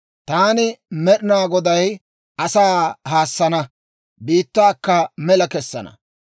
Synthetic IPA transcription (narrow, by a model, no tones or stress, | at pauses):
t̪aːnɪmɛɗɪnaːɡɔd̪ɐj | ʔɐsaːhaːsːɐnɐ | biːt̪ːaːkːɐmɛlɐkɛsːɐ̰nɐ̰